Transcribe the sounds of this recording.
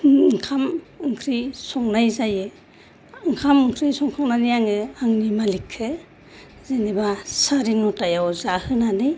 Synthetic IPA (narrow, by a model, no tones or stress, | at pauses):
ŋkʰamɯŋkʰɾisɔŋnajzajɯ | ɯŋkʰamɯŋkʰɾisɔŋsʰɔŋnanijaŋɯaŋnimalikʰːɯ | zenibasaɾiŋnutajawzahɯnanɯj